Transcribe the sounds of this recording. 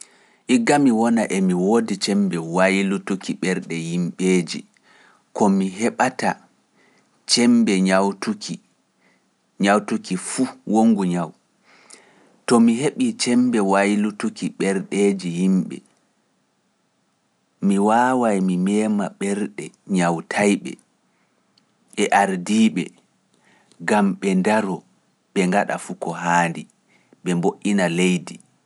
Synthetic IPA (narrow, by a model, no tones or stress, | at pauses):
ʔiɡːamiwɔnaʔɛmiwoːdit͡ʃɛmbɛwajlutukiɓɛɾɗɛjimɓeːd͡ʒḭ | kɔmiɦɛɓata | t͡ʃɛmbɛɲawtuki | ɲawtukifuwoŋɡuɲaw | tɔmiɦeɓit͡ʃɛmbɛwajlutukiɓɛɾɗeːd͡ʒihimɓɛ̰ | miwaːwajmimɛːmaɓɛɾɗɛɲawtʰajɓɛ̰ | ɓɛʔaɾdiːɓɛ̰ | ɡamɓɛndaɾɔ | ɓɛŋɡaɗa̰fukɔɦaːndi | ɓɛmboʔinalejdi